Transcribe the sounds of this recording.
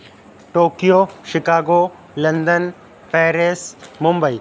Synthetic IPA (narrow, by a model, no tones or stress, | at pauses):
ʈoːkijoːʃɪkaːɡoː | lɐ̃nd̪ən | pɛːɾesmʊmbəi